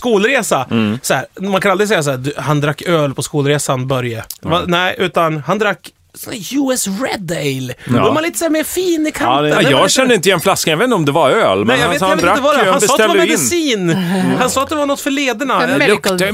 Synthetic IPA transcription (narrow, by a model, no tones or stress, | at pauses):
skuːlɾeːsasɔhæ̰ːɾmankʰanald̪ɾɪsɛjːas̬aæːd̪ʉhand̪ɾakːøːlpʰɔskuːlɾeːsanbœɾjəvanæɪʔʉ̟ːt̪anhand̪ɾakː | sɔnæɾjʉːɛsɾɛ̰d̪ɛɪlɔmanliːt̪əsæːɾmeːɾfiːnɪkʰajɑɡɕɛnd̪əɪnt̪əɪjɛnflaskanjaveːt̪nɔmd̪ɛvaøːlmɛɛjaɡveːt̪jeɪəvad̪ɛanɔːt̪amɛd̪ɪsiːnhansɔːat̪d̪ɛvanɔt̪ːfœɭeːd̪ənak